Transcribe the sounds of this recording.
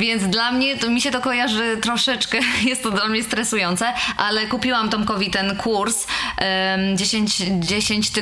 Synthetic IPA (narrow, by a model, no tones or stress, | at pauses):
vʲjɛnt̪d̪lamɲɛt̪ɔmʲiɕɛt̪ɔkɔjaʐɘt̪ɾɔʂɛt͡ʂkɛjɛst̪ːɔd̪lamɲɛst̪ɾɛsujɔnt̪sɛʔalɛkupʲiwamt̪ɔmkɔvʲit̪ɛnkʰuɾs | d͡ʑeɕeɲt͡ɕd͡ʑeɕeɲt͡ɕt̪